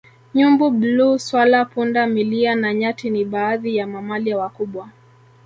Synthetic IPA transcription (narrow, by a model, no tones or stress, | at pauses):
ɲumbuɓluswalapundamilianaɲatiniɓaːðijamamaliawakuɓwa